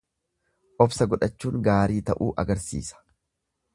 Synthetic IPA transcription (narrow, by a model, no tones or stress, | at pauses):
ʔɔbsɐɡɔᶑɐt͡ʃːuːŋɡaːɾiːt̪ɐʔuːʔɐ̰ɡɐɾsḭːsɐ̥